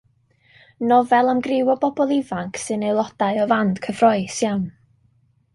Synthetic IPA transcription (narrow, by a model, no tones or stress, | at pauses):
nɔvɛlˠamɡrɪwɔbɔbɔlˠɪvaŋkʰsɨnejlˠɔd̥aɨɔvand̥kʰəvrɔɨsjan